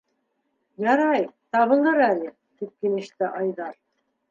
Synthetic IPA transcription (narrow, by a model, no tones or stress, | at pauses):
jɑɾɑjt̪ɑβɤ̆lˠɤɾælɘ | t̪ip̚kilɘ̆ʃt̪ɘʔɑjðɑɾ